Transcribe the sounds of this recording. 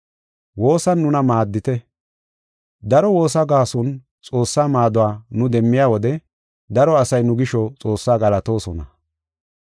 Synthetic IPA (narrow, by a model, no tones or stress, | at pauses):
wo̞ːsɐnːʊnɐmaːd̪ːɪt̪ɛ | d̪ɐɾɔwo̞ːs̬ɐɡaːsɔn | t͡sʼo̞ːsːaːmaːd̪ʊwaːnʊd̪ɛmːɪjaːwɔd̪ɛ | d̪ɐɾɔɐsɐjnʊɡɪʃɔt͡sʼo̞ːsːaːɡɐlɐt̪o̞ːsɔnɐ̰